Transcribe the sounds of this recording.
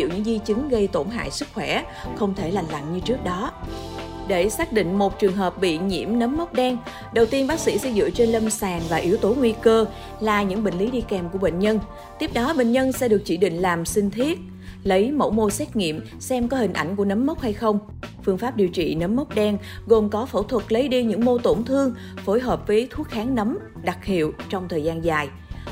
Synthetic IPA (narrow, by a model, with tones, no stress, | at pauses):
ḭ˧˨əwɲɨ̰˧˥ŋzi˧t͡ɕɨ˨˦ŋɣə˧jt̪o˧˩nɦa̰ː˧˨jsɨ˦˥k̚xwɛ˧˩ | xə˧wŋ͡mt̪ʰe˧˩la˨˩jŋ̟la̰˧˨jŋ̟ɲɨ˧t͡ɕɨ˦˥ək̚ɗɔ˨˦ | ɗe˧˩saː˦˥k̚ɗḭ̈˧˨ŋ̟mo˨˩t̚t͡ɕɨ˨˩əŋɦəː˨˩p̚ɓḭ˧˨ɲḭ˧˩əmnə˨˦mːə˦˥wk͡p̚ɗɛ˧ŋ | ɗə˨˩wt̪i˧ənɓaː˦˥k̚sḭ˧˥sɛ̰˧˥zɨ̰˧˨ət͡ɕe˧nlə˧msaː˨˩ŋvaː˨˩ʔi˨˦əwt̪o˨˦ŋwi˧kəː˧ | laː˨˩ɲɨ̰˧˥ŋɓeḭ˧˨ŋ̟li˨˦ɗi˧kɛ˨˩mku˧˩əɓḛ˧˨nɲə˧n | t̪i˦˥əp̚ɗɔ˨˦ɓḛ˧˨ŋ̟ɲə˧nsɛ̰˧˥ɗɨ˨˩ək̚t͡ɕḭ˧˩ɗḭ̈˧˨ŋ̟laː˨˩msï˧ŋ̟t̪ʰi˦˥ət̚ | lə˨˦jmo̰˧˥wmo˧sɛ˦˥t̚ŋḭ˧˨əm | sɛ˧mkɔ˨˦hï˨˩ŋ̟ʔa̰˧˩jŋ̟ku˧˩ənə˨˦mːə˦˥wk͡p̚ha˧jxə˧wŋ͡m | fɨ˧əŋfaː˦˥p̚ɗi˨˩əwt͡ɕḭ˧˨nə˨˦mːə˦˥wk͡p̚ɗɛ˧ŋ | ɣo˨˩mkɔ˨˦fə̰˧˩wt̪ʰwə˨˩t̚lə˨˦jɗi˧ɲɨ̰˧˥ŋmo˧t̪o˧˩nt̪ʰɨ˧əŋ | fo˨˦jɦəː˨˩p̚vəː˨˦jt̪ʰu˦˥ət̚xaː˨˦ŋnə˨˦m | ɗa˨˩k̚hḭ˧˨əwt͡ɕɔ˧wŋ͡mt̪ʰəː˨˩jzaː˧nzaː˨˩j